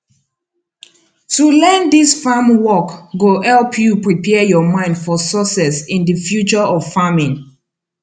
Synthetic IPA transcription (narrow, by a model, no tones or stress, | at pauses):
tulɛ̃ndisfamwɔkɡohɛlpʰjupɹipʰɛjɔmãɪ̃ndfɔsɔsɛsɪ̃ndəfjut͡ʃəɔv̥famĩn